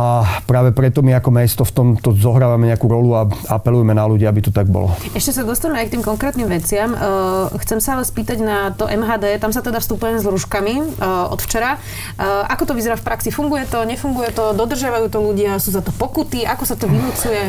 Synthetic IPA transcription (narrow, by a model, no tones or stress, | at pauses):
apɾaːʋɛpɾɛt̪ɔmiakɔmɛst̪ɔft̪ɔmt̪ɔzɔɦɾaːʋamɛɲɛakuɾɔluaa̰pɛlujɛmɛnaluɟiːabit̪ɔt̪aɡ̚bɔ̰lɔ̰ɛʃcɛsad̪ɔst̪aɲmɛajk̚t̪iːmkɔŋkɾɛːt̪niːmʋɛt͡sɪamxt͡sɛmsaalɛspiːt̪aɟnat̪ɔʔɛmɦaːd̪ɛːt̪amsat̪ɛd̪afst̪upujɛmɛzɾuʃkamiʔɔ̰t̪ft͡ʃɛɾa | ʔakɔt̪ɔʋizɛɾaːfpɾʔaksifuŋɡujɛt̪ɔɲɛfuŋɡujɛt̪ɔd̪ɔd̪r̩ʒɪaʋajuːt̪ɔluɟɪasuːzat̪ɔpɔkut̪iʔakɔsat̪ɔʋinut͡sujɛ